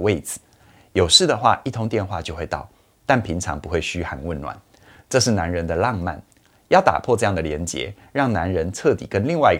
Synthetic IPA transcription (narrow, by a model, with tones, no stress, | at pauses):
we˥˩ɪd͡zɹ̩˩˦ | jo˨˩ʊʂɻ̩˥˩d̪ə˩xwa̰˥˧ʔi˥˩t̪ʰʊ˧˥ŋt̪jɛ˥˧nxwa˥˧t͡ɕjo˥˧ʊxwe˥˧ɪt̪ɑ˥˩ʊ | t̪a˥˩npʰi˧˥ŋʈ͡ʂʰɑ̰˧˥ŋpu˧˦xwe˥˩ɪɕy˥xa˨˩nwə˥˩nnwa̰˨˩˦n | ʈ͡ʂɤ˥˧ʂɻ̩˥˩na˧˥nɻə˧˥nd̪ə˧lɑ˥˧ŋma̰˥˩n | jɑ˥˩ʊt̪a̰˨˩pʰwɔ˥˧ʈ͡ʂɤ˥˧jɑ˥˩ŋd̪ə˩ljɛ˧˥nt͡ɕjɛ̰˧˥˦ | ɻɑ˥˩ŋna˧˦˥nɻə˧˥nʈ͡ʂʰɤ˥˨˩t̪ḭ˨˩kə˦˥nli˥˧ŋwa˥ɪi˧